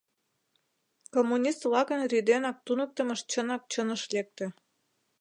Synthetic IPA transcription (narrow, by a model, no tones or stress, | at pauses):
komːunʲist̪vlɑkənrid̪enɑk̚t̪unə̆k̚t̪ə̆mə̆ʃt͡ɕənɑk̚t͡ɕənəʃlek̚t̪ĕ